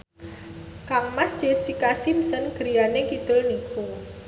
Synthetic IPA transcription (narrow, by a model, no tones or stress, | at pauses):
kaŋmasd͡ʒ̥esikasimsənɡ̥əɾi̤janekid̪̥ʊlnikʰu